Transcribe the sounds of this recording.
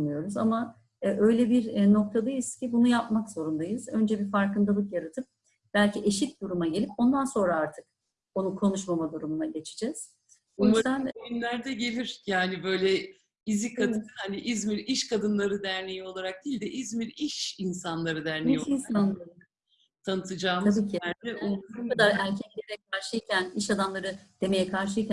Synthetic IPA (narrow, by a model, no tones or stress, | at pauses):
mɯjo̞ɾuza̰ma | ʔø̞jlʲɛbiɾno̞k̚t̪ʰad̪ajɯzcʰibunujapmakz̥o̞ɾund̪ajɯzø̞nd͡ʒɛbiɾfaɾkɯnd̪alˠɯkjaɾat̪ʰɯp̚ | b̥ælʲcʰiʔe̞ʃit̪̚d̪uɾumaɟe̞lʲipo̞nd̪anso̞nɾaaɾt̪ʰɯk̚ | o̞nukʰo̞nuʃmamad̪uɾumunaɟe̞t͡ʃʰi̥d͡ʒɛz̥ | ojizd̪anoynlʲæɾd̪ɛɟe̞lʲiɾ̥jaːnibø̞jlʲɛ | izikʰad̪ɯnaniʔizmiɾiʃkʰad̪ɯnlˠaɾɯd̪æɾnejio̞lˠaɾak̚d̪̥iːlʲd̪ɛʔizmiɾiʃinsanlˠaɾɯd̪æɾnejiinsana | t̪ʰanɯt̪ʰɯd͡ʒaːmʰabiːcʰiɛukad̪aɾæɾcʰɛclʲeɾɛkʰaɾʃɯjcʰæniʃad̪amlˠaɾɯd̪̥e̞me̞jɛkʰaɾʃ̬ɯjcʰæ